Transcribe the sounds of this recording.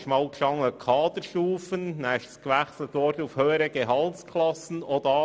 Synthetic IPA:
ʃmɑʊkʃɑŋəkʰɑːd̪əɾʃuːfənnɛɪʃə̥skʋæχslət̪ʋɔɾtufhøːəɾəɡ̥eɦɑlskʰlɑsən̩od̥̪ɑ

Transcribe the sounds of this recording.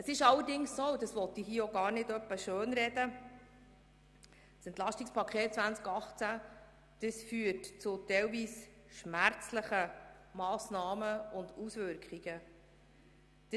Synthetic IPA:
əsɪʃɑlːəɾdɪŋssoːudəsʋɔt̪iɦiːəoɡɑːɾnɪdœpːəʃøːnɾɛd̥ə | sɛnt̪lɑʃtikspʰɑkʰχeːt̚t͡svænt͡skɑχt͡sæ | d̥əsfyːətt͡sʊtɛlviːs | ʃmæɾt͡sləχə | mɑːsnɑːməʊndusvʏɾkχiɡ̥ə | d̥ə

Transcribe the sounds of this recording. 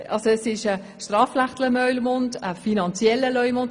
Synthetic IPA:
ʔɑlsoɛsɪʃə | ʃtrɑːflaχtləmœʏlmʊndəfinɑnt͡sjɛləlœʏmʊnd

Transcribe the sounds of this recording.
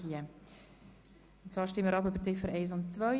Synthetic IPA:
iə | ʊnt͡svɑːʃtɪmːəɾɑpbøbəɾt͡sɪfəɾɛɪs̬ʊnt͡svœ

